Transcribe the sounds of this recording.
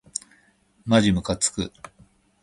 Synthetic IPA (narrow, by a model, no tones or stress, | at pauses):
maʑimɯ̟kat͡sɨ̥kɯ̰